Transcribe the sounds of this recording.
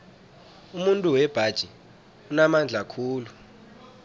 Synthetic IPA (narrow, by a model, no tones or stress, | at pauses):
umuntʼuwɛb̥ʱad̥ʒ̥ʱi | unamand͡ɮʱakʰuːlu